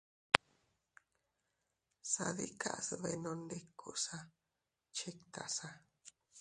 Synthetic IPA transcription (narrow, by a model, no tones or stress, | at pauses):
sa̰ðika̰ʔsɨβeinõndekʰːṵʔsa | t͡ʃekt̪ʰa̰sa